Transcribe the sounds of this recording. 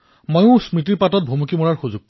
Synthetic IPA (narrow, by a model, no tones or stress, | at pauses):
mojʊ̃smɹitiɹpatɔt̚bʱumukimɔɹaɹxuzuɡ̚p